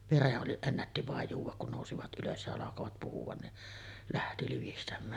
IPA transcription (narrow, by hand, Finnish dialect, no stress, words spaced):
ʋereʔ ʔoli enːætːi ʋɑˑej juːʋˑɑk kun noˑusiʋɑt ʔyløs jɑ ɑlɑkoʋɑt puhuʋ̆ɑn niʔ læhti liʋistæmˑæːn